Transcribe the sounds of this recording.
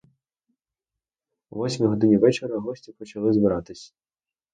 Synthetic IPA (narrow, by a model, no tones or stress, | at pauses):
ʋɔsʲmʲiɦɔd̪ɪnʲiʋɛt͡ʃeɾɐɦɔsʲtʲipɔt͡ʃɐlˠɪzbɪɾɑt̪ɪsʲɐ̥